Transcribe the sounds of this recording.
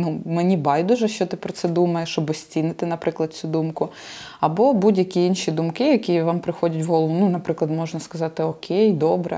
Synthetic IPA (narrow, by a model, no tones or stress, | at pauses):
numenʲibɑjd̪ʊʒɛʃt͡ʃɔt̪ɪpɾɔt̪sɛd̪umɐjeʃɔbɔsʲt͡sʲinɪt̪ɪnɐpɾɪklˠɐd̪̚t͡sʲud̪umkʊ | ɐbɔbudʲjɐkʲiinʃʲid̪umkɪjɐkʲiʋɑmpɾɪxɔdʲɐtʲʋɦɔlˠʋʊnunɐpɾɪklˠɐd̪mɔʒnɐskɐzɑt̪ɪɔkʲʰejd̪ɔbɾɛ̰